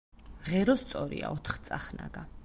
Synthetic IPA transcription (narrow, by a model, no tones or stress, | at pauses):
ʁɛɾɔst̪sʼɔɾḭa̰ɔt̪ʰχt̪sʼaχna̰ɡa